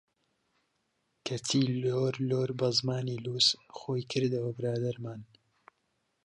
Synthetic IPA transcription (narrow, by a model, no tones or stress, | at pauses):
kʰɐt͡sʰiːloːɾloːɾbɐzmaːniːluːsxoːjkʰɨɾd̪ɐwɐbɨɾaːd̪ɐɾmaːn